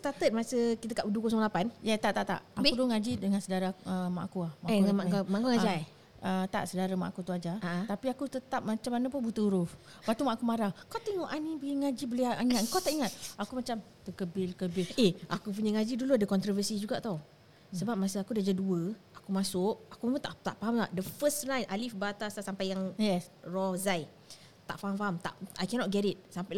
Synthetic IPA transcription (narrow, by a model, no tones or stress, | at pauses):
st̪at̪ət̪̚masəkit̪əkaʔudukosɔŋlapanjat̪aʔt̪aʔt̪a̰ʔaudʊŋad͡ʒidəŋansədaɾaəma̰ʔkuahmaʔaamaʔkuŋad͡ʒa | ət̪a̰ʔsədaɾama̰ʔakut̪uad͡ʒaaʔt̪apiakut̪ət̪ap̚mat͡ʃamːanəp̬ʊnbut̪əuɾʊf | bat̪umaʔkumaɾahkawt̪uiŋoʔanibəiŋad͡ʒibəliaiŋŋat̪ŋkawt̪aʔiŋat̪̚akumat͡ʃam | t̪əkəbɪlkəbɪleʔakup̬uɲaŋad͡ʒiduluadəkɔnt̪ɾɔvəsid͡ʒuɡaʔt̪aw | səbap̚masəakudiad͡ʒaduəakumasʊʔakumamat̪at̪aʔfaɦamlaʔdəfəstnãjnʔalifbaat̪asasampajaŋjɛsrɔzaj | t̪a̰ʔfaɦamfaɦamt̪a̰ʔajkɛnɔt̚ɡɛɾɪt̪̚sampal